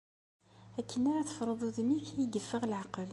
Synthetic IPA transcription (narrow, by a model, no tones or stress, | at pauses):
ækʰːənaɾaθə̥fɾˤəðˤuðmiθiɡəfːəʁlʕaqəl